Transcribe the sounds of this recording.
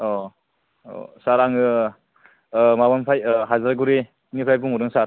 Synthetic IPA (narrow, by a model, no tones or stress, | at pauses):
ɔ | ɔ̰saɾaŋɯ | mabanpʰajɦazaɾɡuɾi | nipʰɾajbuŋuɾɯŋsaɾ